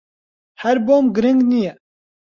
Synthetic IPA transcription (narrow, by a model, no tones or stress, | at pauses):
hæɾboːmɡɨɾɨŋɡnijɛ